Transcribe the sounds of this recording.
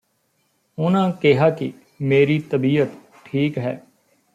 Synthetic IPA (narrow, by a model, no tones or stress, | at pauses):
ʊnãːkɪɦaːkɪ̰ | meːɾiːt̪əbiːət̪ | ʈʰiːkɦɛː